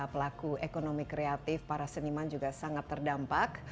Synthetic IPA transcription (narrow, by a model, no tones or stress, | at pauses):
apəlakuekonomikɾeat̪ɪfpaɾasənimand͡ʒuɡasaŋat̪ːərdampak